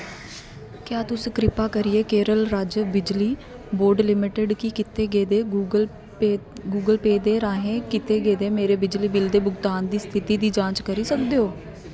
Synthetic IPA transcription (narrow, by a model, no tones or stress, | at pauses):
kjaːt̪ʊsẽːkɾɪpaːkəɾieːkeːɾəlɾaːd͡ʒəbɪd͡ʒliː | boːɾɖlɪmɪʈəɖkikɪt̪eːɡeːd̪eːul | ɡuːɡəlpeːd̪eːɾaːɦẽːkɪt̪eːɡeːd̪eːmeːɾeːbɪd͡ʒliːbɪld̪eːbʊɡt̪aːnd̪iːst̪ʰɪt̪iːd̪iːd͡ʒãːt͡ʃkəɾiːsəkd̪eːoː